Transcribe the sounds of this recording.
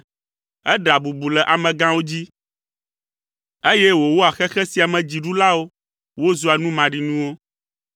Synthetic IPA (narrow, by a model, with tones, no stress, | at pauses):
ɛ˦ɖa˨bu˨bu˨lɛ˨ʔa˨mɛ̃˨ɡã˦wo˦d͡ʑi˦ | e˦jɛ˦wo˨wo˦a˨xɛ˦xɛ˦si˨a˨mɛ̃˨d͡ʑi˨ɖu˦la˦wo˦ | wo˦zu˦a˨nũ˦mã˨ɖi˨nũ˦wo˦